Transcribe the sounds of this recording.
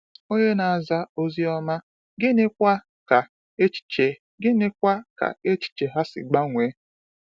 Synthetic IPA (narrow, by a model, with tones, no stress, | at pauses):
o˦ɲe˦na˨a˨za˦o˦zi˦ɔ˦ma˦ | ɡɪ˦nɪ˦kʷa˦ | ka˨ | e˦t͡ʃi̥˨t͡ʃe˨ | ɡɪ˦nɪ˦kʷa˦ka̰˨e˦t͡ʃi̥˨t͡ʃe˨ɦa˦sɪ̰˨ɡ͡ba˦ŋʷe˨˦